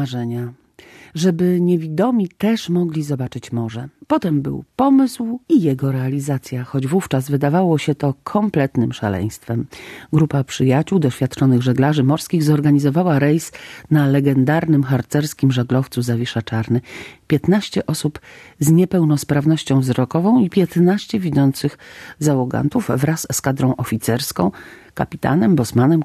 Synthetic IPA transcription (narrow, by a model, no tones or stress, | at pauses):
ʐɛɲa | ʐɛbɘɲevʲid̪ɔmʲit̪ɛʂmɔɡlʲizɔbat͡ʂɘt͡ɕmɔʐɛpɔt̪ɛmbɘ̰wpɔmɘswijɛɡɔɾɛalʲizat̪sʲjaxɔd͡ʑvuft͡ʂazvɘd̪avawɔɕɛt̪ɔkʰɔmplɛt̪nɘmʂa̰lɛ̰j̃st̪fɛmɡɾupapʂɘjat͡ɕuwd̪ɔɕfʲjat̪̚t͡ʂɔnɘɣʐɛɡlaʐɘmɔɾskʲiɣzɔɾɡaɲizɔvawaɾɛjsnalɛɡɛnd̪aɾnɘmxaɾt̪sɛɾskʲimʐaɡ̪lɔft̪suzavʲiʂat͡ʂaɾnɘpʲjɛt̪naɕt͡ɕɛʔɔsupzɲɛpɛwnɔspɾavnɔɕt͡ɕɔ̃w̃vzɾɔkɔvɔ̃w̃ipʲjɛt̪naɕt͡ɕɛvʲizɔnt̪sɘxzawɔɡa̰nt̪uvvɾasːkad̪ɾɔ̃w̃ʔɔfʲit̪sɛɾskɔ̃w̃ka̰pʲit̪a̰nɛmbɔsmanɛm